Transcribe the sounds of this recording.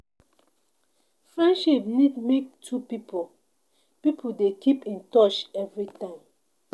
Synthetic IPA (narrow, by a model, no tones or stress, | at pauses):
fɹɛ̃nʃipnidmek̚tʰupipo | pipʰudekʰipĩntɔt͡ʃɛvɹitãɪ̃m